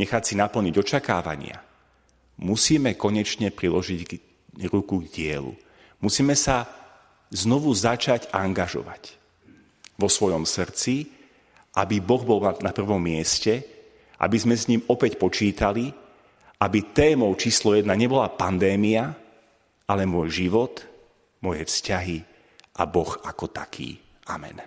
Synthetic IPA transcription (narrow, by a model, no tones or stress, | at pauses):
ɲɛxat͡sinapl̩ɲiɟɔt͡ʃaka̰ːʋa̰ɲɪa̰ | musiːmɛkɔɲɛt͡ʃɲɛpɾilɔʒiɟɡ | ɾukuɡɟɪɛlṵ | musiːmɛsa | znɔʋuzat͡ʃaɟaŋɡaʒɔ̰ʋa̰c | ʋɔsʋɔjɔmsr̩t͡si | ʔabibɔɣbɔlˠanapr̩ʋɔmːɪɛscɛ | ʔa̰bizmɛsɲiːmɔpɛcpɔt͡ʃiːt̪ali | ʔabit̪ɛːmɔʊt͡ʃiːslɔjɛd̪naɲɛbɔlapand̪ɛːmia | ʔalɛmʊɔjʒiʋɔt̪ | mɔjɛfscaɦi | ʔa̰bɔxakɔt̪akʰḭː | a̰mɛ̰n